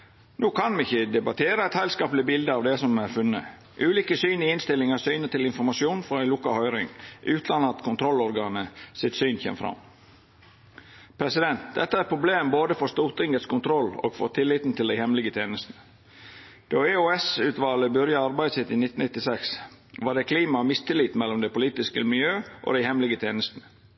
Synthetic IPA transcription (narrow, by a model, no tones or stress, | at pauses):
nʔuːkʰɑnmɪçəd̪ɛbɑt̪ʰeːɾəæɪt̪hæɪlskɑːplɪbɪld̪əɑːʋd̪ɛsɔmæɾfʉnːə̰ | ʔʉːliːkəsyːniɪnst̪ɪlːɪŋɑsyːnət̪ɪlɪnfɔɾmɑsjuːnfɔɾɛɪluːkɑhœʏɾɪ̰ŋʔʉːt̪ʰlɑnɑt̪kʰʊnt̪ʰɾɔlɔɾɡɑːnəsɪt̪syːnçḛːmfɾɑ̰m | pʰɾɛsɪd̪ɛnt̪̚d̪ɛt̪ːəæɾt̪pʰɾʊbleːmboːd̪əfɔɾst̪uːt̪ɪŋət̪skʊnt̪ʰɾɔlo̰ːɡ̥fɔt̪ʰɪlːɪt̪n̩t̪ʰɪld̪æɪhɛmlɪɡət̪ʰeːnəst̪nə | d̪̥oːeoɛsʉːt̪ʋɑːləbʉɾjɑɑɾbæɪd̪əsɪt̪ːɪnɪt̪ːn̩nɪt̪ːɪsɛks | ʋɑd̪ɛkʰliːmɑmɪst̪ʰɪlːit̪mɛlːɔmd̪æɪpʊliːt̪ɪskəmɪljøːʔo̰d̪æɪhɛmlɪɡət̪ʰeːnəst̪ənə